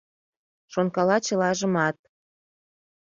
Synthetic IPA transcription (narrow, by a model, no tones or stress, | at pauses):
ʃonkɑlɑt͡ɕə̆lɑʒə̆mɑt̪̚